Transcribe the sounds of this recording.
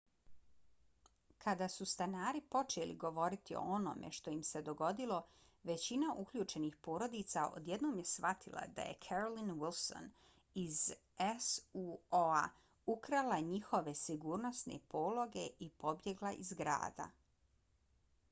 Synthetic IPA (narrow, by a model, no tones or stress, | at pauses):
kʰad̪asust̪anaːɾipo̞t͡ʃelḭɡo̞ʋo̞ɾit̪io̰ono̰mʔe̞̰ʃt̪o̞jimse̞d̪o̞ɡo̞d̪ilo̞ | ʋe̞t͡ɕinaʔukʎʲuːt͡ʃe̞nixpo̞ːɾo̞d̪it̪saʔo̰d̪je̞d̪noːmje̞sʋat̪ʰilˠa̰d̪a̰jḛkʰeɾolinwilˠso̰n | iz | esuoa | ukɾalaɲixo̞ʋe̞siɡuːɾno̞snḛpoːlˠo̞ɡe̞ʔipo̞bje̞ɡlˠaʔḭzɡɾa̰ːd̪a̰